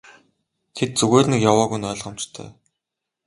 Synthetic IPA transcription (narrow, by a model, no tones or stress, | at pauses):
t̪ʰet̪̚t͡suɣeːnikjawaːɣujnœːɮʁ̥ə̆m̥t͡ɕt̪ʰœ̰ː